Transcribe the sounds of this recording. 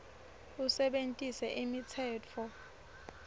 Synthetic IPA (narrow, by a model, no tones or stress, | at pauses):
usɛɓentʼisɛʔimitʰɛːt͡fʰɔ